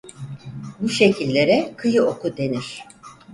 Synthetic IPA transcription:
buʃe̞cʰilʲːe̞ɾɛkʰɯjɯokʰud̪e̞niɾ̥

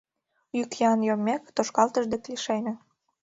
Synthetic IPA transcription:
ykjɑnjomːekt̪oʃkɑlt̪əʒd̪ĕk̪liʃenĕ

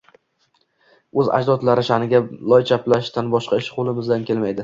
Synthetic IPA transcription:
ɵza̰d͡ʒd̪ɒt̪laɾɪʃanɪɡʲalˠɒjt͡ʃʰaplaʃt̪anbɒʃqʰɑɪʃqʰolˠɪmɪzd̪ankʲe̞lmajd̪ɪ

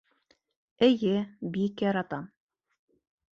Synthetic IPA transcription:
ɘ̆jɘbikjɑɾɑt̪ɑm

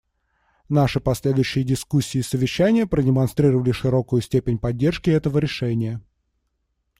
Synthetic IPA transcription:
naʂɨpɐsʲlʲed̪ʊjʉɕːɪjədʲɪskusʲːɪːsəvʲɪɕːænʲɪjəpɾədʲɪmɐnst̪ɾʲiɾəvəlʲɪʂɨɾo̞kʊjʊsʲtʲepʲɪnʲpɐdʲːe̞rʂkʲɪɛt̪əvəɾʲɪʂɛnʲɪjə

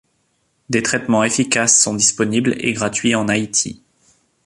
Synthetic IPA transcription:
d̪et̪χɛt̪mɑ̃efikasːɔ̃d̪ispɔniblḛɡʁat̪ɥiɑ̃nait̪ʰḭ

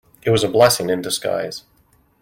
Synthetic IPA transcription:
ɨt̚wʌzəblɛsɪ̃ŋɨ̃ndɨska̰ɪz̥

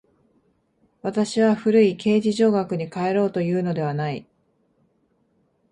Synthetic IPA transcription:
βat̪aɕiβaɸɯ̟ɾɯ̟ikʰe̞ːd͡ʑiʑo̞ːɡakɯ̟ɲ̟ikae̞ɾo̞ːt̪o̞jɯ̟ːno̞d̪e̞β̞anai

